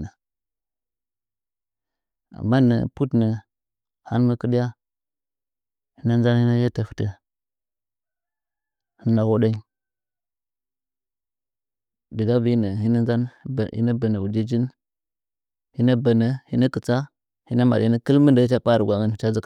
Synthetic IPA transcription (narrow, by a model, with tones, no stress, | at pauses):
na˨ | a̰˨mːa˦nə̰˨pu˦tnə˨ | ha˦n˦mə˦kə˦di˦ja˦ | hi˦na˦n˦d͡ʒa˦nhi˦na˦ja˦ta˨fə̥˨tə˦ | hə˦nda˨wo˦da˦ | də˨ɡa˦bi˦nə˨ɦi˦na˦nza˦n˦˨ḭ˦na˦bə˨nə˨u˨di˦d͡ʒi˦n | hi˦na˦bə˨nə˨hi˦na˦kə˨t͡sa˦ | hi˦na˦ma̰˨i˦nə˦kə˦lmə˦ndə˨˦t͡ʃa˦k͡pa˦ɾɡʷa˨ɡə˦n˨t͡ʃa˦zi˦k